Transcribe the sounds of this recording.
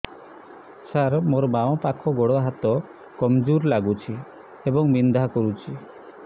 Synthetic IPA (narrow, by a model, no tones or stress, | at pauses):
saɾmoɾɔmawɔ̃pakʰɔɡoɽɔɦat̪ɔ | kɔmd͡ʒuɾlaɡut͡ʃʰi | ebɔŋmind̪ʱakɔɾut͡ʃʰi